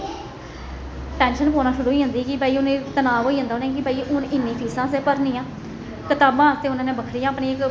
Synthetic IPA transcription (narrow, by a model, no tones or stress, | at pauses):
ʈɛ̃ːnʃənkoːnaːʃʊɾuːiːɦə̃nd̪iːkɪbʱaːiːʊneːt̪ənaːʋɦoːiːɦãnd̪aːoːnẽːkɪbaːiːʔʊnɪnːĩːpʰiːsãːseːpəɾnĩːãː | kɪt̪aːbãːəst̪eːʊnãːnẽːbəkʰɾiːãːəpniːɪk